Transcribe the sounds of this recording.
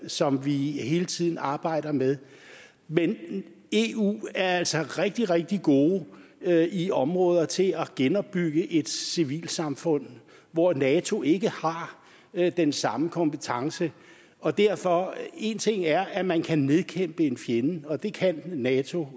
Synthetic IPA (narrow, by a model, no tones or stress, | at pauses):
sɒ̽mʋiɦe̝ːlət͡sʰið̰ˠn̩ɑ̈ːb̥ɑ̈ɪ̰ɾ̥ɐmeðˠ | men | e̝ṵːæɐæl̰sɒ̽ʁɛɡ̥̚d̥iʁɛɡ̥̚d̥iɡ̥o̝ː | iɒ̽mʁɔ̽ːðˠɐt͡sʰe̝æɡ̥enɒ̽b̥ːyɡ̥əʔe̝d̥siʋḭːlsɑ̈mfɔ̽n̰ | ʋɒnɛːt͡sʰo̝ʔe̝ɡ̥əhɑ̈ | d̥ensɑ̈məkʰɒ̽mpət͡sʰɑ̈ŋsə | ʔɒ̽d̥æɐfɒ̽e̝nt͡sʰe̝ŋ̰æɐʔæmænkʰæne̝ðˠkʰem̰b̥əe̝nfjenəɒ̽d̥e̝kʰænːɛːt͡sʰo̝